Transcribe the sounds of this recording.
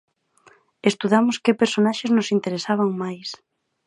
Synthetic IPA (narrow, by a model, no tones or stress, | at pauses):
est̪uðamʊskɪpeɾsonaʃeznʊsint̪eɾesaβ̞aŋmajs